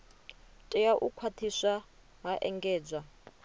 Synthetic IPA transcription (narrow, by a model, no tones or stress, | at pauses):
tʼɛjaʔukʰwatʰisa | ɦaʔɛŋɡɛːd͡zʷa